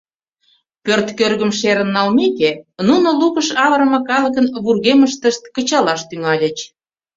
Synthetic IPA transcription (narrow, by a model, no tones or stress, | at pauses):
pørt̪kørɣə̆mʃeɾə̆nːɑlmekenunolukə̆ʃɑβəɾə̆mɤ̆kɑlə̆k̬ənβurɣeməʃt̪əʃt̪̚kət͡ɕɑlɑʃt̪yŋɑlʲə̆t͡ɕ